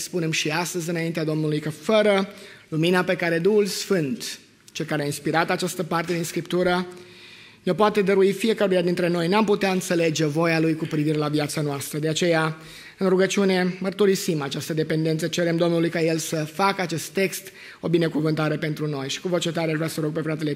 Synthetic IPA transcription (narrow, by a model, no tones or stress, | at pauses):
spune̞mʃiast̪əzɨnaint̪ead̪o̞mnulujkəfəɾəluminape̞kaɾe̞d̪uhulsfɨnt̪ | t͡ʃe̞lkaɾeainspiɾat̪at͡ʃast̪əpart̪e̞d̪inskɾipt̪uɾə | neo̞poat̪e̞d̪əɾuifie̞kəɾujad̪int̪ɾe̞no̞jnamput̪eaɨnt̪se̞le̞d͡ʒevo̞jalujkupɾiviɾe̞laviat̪sanoast̪ɾəd̪eat͡ʃe̞ja | ɨnɾuɡət͡ʃiune̞mərt̪uɾisimat͡ʃast̪əd̪e̞pe̞nd̪e̞nt̪sət͡ʃe̞ɾe̞md̪o̞mnulujkaje̞lsəfakat͡ʃe̞st̪ːe̞kst̪ | o̞bine̞kuvɨnt̪aɾe̞pe̞nt̪ɾuno̞jʃi̥kuvo̞t͡ʃe̞t̪̬aɾeaʒvɾʲasəɾo̞ɡ̚pe̞fɾat̪e̞le